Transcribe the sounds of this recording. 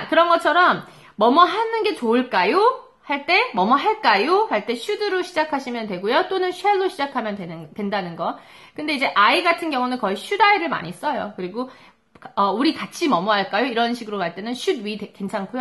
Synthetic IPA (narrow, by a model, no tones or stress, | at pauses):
kɯɾʌnɡʌt͡ɕʰʌɾʌmː | ʌmʌɦanɯnɡe̞t͡ɕoɯɭk͈ajo | haɭt͈e̞mʌmʌɦaɭk͈ajohaɭt͈e̞ɕʰudɯɾoɕʰid͡ʑakʰaɕʰimjʌntwe̞ɡojot͈onɯnɕʰueloɕʰid͡ʑakʰamjʌndwentwe̞ndanɯnɡʌ | kɯnde̞id͡ʑe̞ʔaiɡatʰɯnɡjʌŋunɯnkʌiɕʰudaiɾɯɭma̰ɲis͈ʌjo̰kɯɾiɡo | kʌuɾikat͡ɕʰimʌmʌɦaɭk͈ajoiɾʌnɕʰiɡɯɾokaɭt͈e̞nɯnɕʰud̚ɥitekwe̞nt͡ɕʰaŋkʰujo